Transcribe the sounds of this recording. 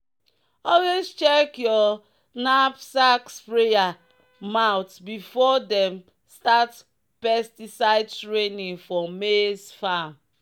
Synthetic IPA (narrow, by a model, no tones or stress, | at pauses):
ɔlwezt͡ʃɛkjɔ | napsakspɹeja | maʊtbifɔdɛ̃m | stat | pɛstisaɪdtɹenĩŋfɔmesfãm